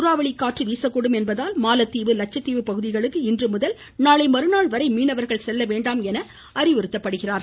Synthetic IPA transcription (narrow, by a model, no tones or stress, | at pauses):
ʊɾaːʋɐɭɪkːaːʈrɯʋiːsɐkːuɽɯmɛnbɐðaːlmaːlɐt̪ːiːʋɯlɐt͡ʃɐt̪ːiːʋɯpɐɣɯðɪɣɐɭɯkːɯɪndrɯmʊðɐl | naːlɐɪmɐɾɯnaːɭʋɐɾɐɪmiːnɐʋɐɾɣɐɭsɛlːɐʋeːɳɖaːmɛnɐ | ɐrɪʋɪɾɯt̪ːɐpːɐɽɯɣɪraːɾ